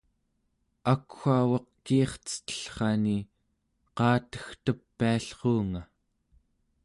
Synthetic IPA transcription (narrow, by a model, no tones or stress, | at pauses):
akxʷawɑqkiːχt͡sə̥t̪ə̥ɬχɑni | qɑːt̪ə̥xt̪əpːiaɬχoːŋa